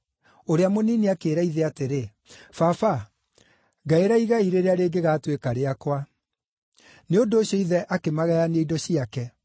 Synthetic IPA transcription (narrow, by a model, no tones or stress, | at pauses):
oɾeamonineakeːɾaiðɛateɾe | fafa | ɡaeɾaiɣaiɾeɾeaɾeːɡeɣaːtwekaɾeakwa | neondoːɕjɔiðɛʔakemaɣɛjaneidɔɕiakɛ